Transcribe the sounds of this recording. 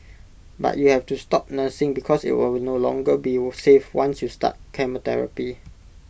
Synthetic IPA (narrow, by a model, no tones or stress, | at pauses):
ba̰t̚juhɛftustɔp̚nəsɪ̃ŋbikʰɔsɪ̰twɪlnolɔ̃ŋɡəbisefwãnsjusta̰t̚kʰaɪmotɛ̰ɹə̰pi